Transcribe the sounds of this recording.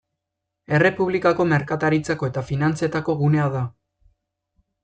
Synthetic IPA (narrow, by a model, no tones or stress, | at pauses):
e̞re̞puβlikako̞me̞ɾkat̪aɾit͡sako̞e̞t̪afinant͡se̞t̪ako̞ɣune̞aða